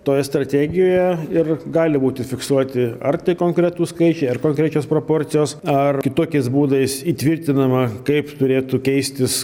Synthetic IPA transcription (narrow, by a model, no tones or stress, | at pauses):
t̪oːjɛst̪ɾɐt̪ʲæːɡʲɪjoːjɛɪrɡɑːlʲɪbuːt̪ʲɪfʲɪksuɔt̪ʲɪɐ̰rt̪ɐɪkoːŋkɾʲɛt̪uːskɐɪt͡ʃʲɛɪɐrkoːŋkɾʲæt͡ʃʲoːspɾoːpoːɾʲt̪sʲɪjoːsɐrkʲɪt̪oːkʲɛɪsbuːd̪ɐɪsiːt̪ʲʋʲɪrʲt̪ʲɪnɐmɐkɐɪpt̪ʊɾʲeːt̪ukʲɛɪsʲt̪ʲɪs